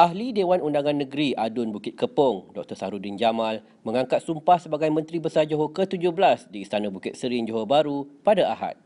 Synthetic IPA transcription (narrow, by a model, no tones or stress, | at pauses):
ʔaɦlidewanundaŋãnːə̃ɡɾiʔadʊnbukɪt̪̚kəpɔŋdɔk̚t̪əsaɾudɪnd͡ʒamãl | mə̃ŋãŋkat̪̚sumpahsəbaɡajmə̃nt̪ɾibəsad͡ʒoɦokət̪ud͡ʒʊhblasdiːst̪anãbukɪt̪̚səɾɪnd͡ʒoɦobaɾupadaaɦa̰t̪̚